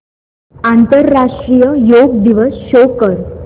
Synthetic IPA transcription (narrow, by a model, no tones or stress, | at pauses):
ant̪əɾːaʂʈɾijəjoɡ̚d̪iʋəsɕokəɾ